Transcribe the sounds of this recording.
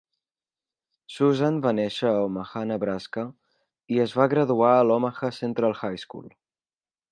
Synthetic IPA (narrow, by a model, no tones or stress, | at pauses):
suzanbanɛʃəɔməxanəβɾaskə | iəzβaɣɾəðuaəlɔməxəsent̪ɾəlˠxajskṵlˠ